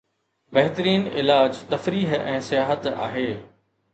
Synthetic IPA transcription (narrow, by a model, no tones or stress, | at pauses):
bɐɦt̪əɾiːnɪlaːd͡ʑt̪ɐfɾiːɦɛ̃ːsɪjaːɦət̪a̰ːɦeː